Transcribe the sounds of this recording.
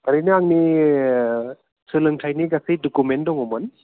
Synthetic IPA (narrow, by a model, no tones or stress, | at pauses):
baɾijnɯaŋni | sʰɯlɯŋtʰajniɡasɯjdɔkumendɔŋɔmɯn